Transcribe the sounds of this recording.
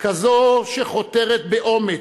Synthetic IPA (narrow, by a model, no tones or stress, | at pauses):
kazoʃeχo̞t̪eʁet̪̚beʔo̞me